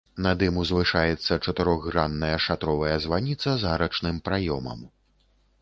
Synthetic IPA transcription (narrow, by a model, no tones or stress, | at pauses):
nɐd̪ɨmuzvɨʂajɛt̪sːɐt͡ʂɐt̪ɨɾɔɣɣɾanːɐjɐʂat̪ɾɔvɐjɐzvanʲit̪sɐzɣaɾɐt͡ʂnɨmpɾajɔmɐ̰m